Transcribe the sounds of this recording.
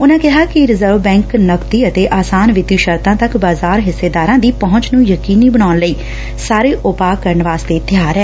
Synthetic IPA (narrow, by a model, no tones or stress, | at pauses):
ʊnãːkɪɦaːkɪɾɪzəɾʋbɛ̃ːŋknəkt̪iːət̪eːʔaːsaːnʋɪt̪iːʃəɾt̪ãːt̪əkbaːzaːɾɦɪsːeːd̪aːɾãːd̪iːpɔɦʊ̃ɲt͡ʃnũːjəkiːniːbəɽaːnləiː | saːɾeːʔʊpaːkəɾəɳʋaːst̪eːt̪jaːɾɛː